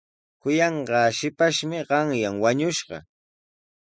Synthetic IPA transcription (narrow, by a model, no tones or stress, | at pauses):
kʊjɑɴɢɑːʃɪpaʃmɪɢɑŋjaŋwaɲʊʃɢɑ̰